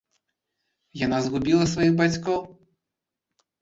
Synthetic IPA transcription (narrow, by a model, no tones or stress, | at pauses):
janazɣubʲilˠɐsvajiɣbat͡sʲkɔw